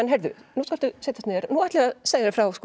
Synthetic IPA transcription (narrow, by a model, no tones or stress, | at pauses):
ɛnɦɛɾðʏ̰nɔht̪kal̥t̪ʏseːjt̪ast̪nɛɾnuajt̪lɛɣaseːjðaɾfɾawskː